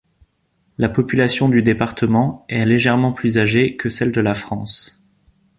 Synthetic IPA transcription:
lapɔpylasjɔ̃d̪yd̪epaʁt̪əmɑ̃ɛleʒɛʁmɑ̃plyzaʒekəsɛld̪əlafχɑ̃s

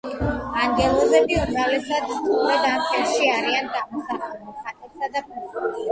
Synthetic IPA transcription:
aŋɡɛlˠɔbɛbiumɾavlɛsad̪st̪ʰɔkʰmɛt̪ampɛlʃiaɾiand̪amɔsaχɛbuχat̪ʼɛpsad̪apʰɛu

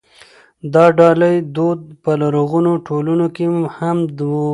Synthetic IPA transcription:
d̪ɑɖɑləjd̪od̪̚pəlaɾoɣunoʈʰolunokemhamd̪

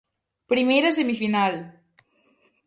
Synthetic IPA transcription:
pɾimeɾas̬emifinal

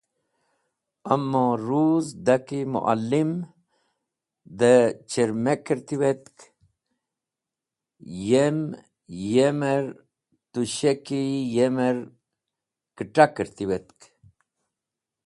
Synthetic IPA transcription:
əmːõɾuːzd̪akimṵʔa̰lːim | d̪ət͡ɕəɾmekəɾt̪iwet̪k | jem | jemeɾ | t̪uɕekijeməɾ | kəʈakəɾt̪iwet̪k

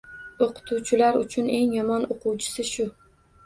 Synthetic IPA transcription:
oqʰʊ̥t̪ʰuwt͡ʃʰɪlaɾʊt͡ʃʰʊne̞ŋjɒmɒnoqʰʊwt͡ʃʰɪ̥sɪʃʊ

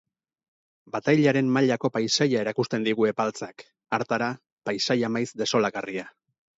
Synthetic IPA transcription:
bat̪ajʎaɾe̞mmaʎako̞pajsajae̞ɾakust̪e̞nd̪iɣue̞palt͡sak | aɾt̪aɾa | pajsajamajzd̪e̞so̞laɣaria

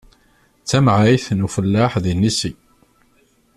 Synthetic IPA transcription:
t͡sːæmʕajθnufəlːaħðinːisi

